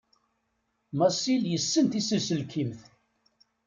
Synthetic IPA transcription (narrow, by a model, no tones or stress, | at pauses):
mɑsiljəsːənt̪isəsəlkʰimθ